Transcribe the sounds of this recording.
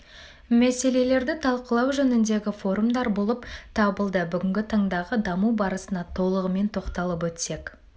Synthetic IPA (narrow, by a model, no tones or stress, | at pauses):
mæse̞le̞le̞ɾd̪ɪt̪ʰɑlˠqəlˠɑwʒɵnɪnd̪e̞ɡʲɪfo̞ɾumd̪ɑɾbo̞lˠəpt̪ʰɑbəlˠd̪əbʏɡʲɪŋɡʲɪt̪ʰɑɴd̪ɑʁəd̪ɑmuwbɑɾəsənɑt̪ʰo̞lˠəʁəme̞nt̪ʰo̞qt̪ɑlˠəp̬wɵt̪se̞k